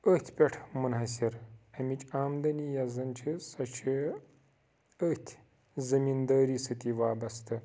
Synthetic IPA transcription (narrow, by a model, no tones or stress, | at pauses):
ət̪ʲʰpʲɐʈʰmunɦɐsiɾɐmit͡ʃʼaːmd̪ɐnijɐzɐnt͡ʃʰisɐt͡ʃʰi | ət̪ʲʰ | zɐmind̪ɐːɾiːsɨt̪iʋaːbɐst̪ɨ